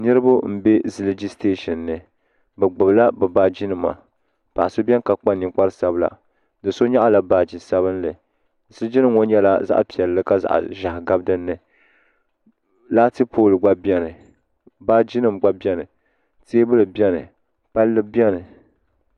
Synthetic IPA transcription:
nɨ˦ɾɨ˦bʊ˦m̩˦be˦zɨ˦ld͡ʒi˦ste˦ʃɛ˨nːɨ˨ | bɛ˨ɡ͡bʊ˨bla˦bɛ˨baː˦d͡ʒi˦nɨ˨ma̰˨ | pa˨ʔa˨so˦bʲɛ˦n˦ka˨k͡pa˦ni˨k͡pa˦ɾsa˦bla̰˨ | dɨ˨so˦ɲa˦ʔa˦la˨baː˨d͡ʒi˨sa˦βɨ˦nlɨ˨ | zɨ˦lɨ˦d͡ʒi˦nɨ˨mːo˦n˦ɲɛ˦la̰˦za̰˦ʔpi˨ɛ˨lːɨ˦ka˦za̰˨ʔʒa˨hɡa˦bdɨ˦nːɨ˨ | la˦tɨ˦pʰoː˦lɨ˨ɡ͡ba˦bɛ˦nɨ˨ | baː˦d͡ʒi˦nɨ˦˨mɡ͡ba˦bjɛ˦nɨ˨ | teː˦bɨ˦lɨ˨bɛ˦nɨ̰˨ | pa˦lːɨ˦bɛ˦nɨ˨

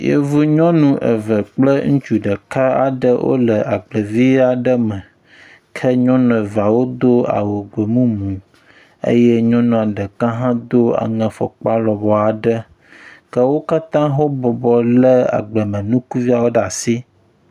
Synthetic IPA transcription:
jḛ˦vu˦ɲɔ̃˦nũ˦ʔə̰˨və˨k͡plə˦ŋũ˦t͡ʃu˨ɖə˨ka˦a̰˨ɖə˦wʔo̰˦lə˨ʔa˨ɡ͡blə˨vi˦a˨ɖə˦mə̃˨ | kʰə˦ɲɔ̃˦nɔ̃˨va˨wo˦d̪o˦a̰˨wo˨ɡ͡bo˨mũ˦mũ˨ | ə̰˦jɛ˦ɲɔ̃˦nũ˨a˨ɖə˨kã˦ɦã˦d̪o˦a̰˨ŋə̃˨fɔ̰˨k͡pa˦lɔ˨bɔ˨a˨ɖə˦ | kə˦wo˦ka˦t̪ã˦ɦo˦bɔ˨bɔ˨lə˦a̰˨ɡ͡bə˨mə̃˨nũ˦ku˦vi˦a˨wo˦ɖa˨si˦

